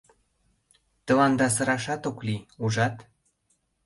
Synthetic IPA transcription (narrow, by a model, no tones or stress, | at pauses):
t̪ə̆lɑnd̪ɑs̬ɤ̆ɾɑʃɑt̪okliuʒɑt̪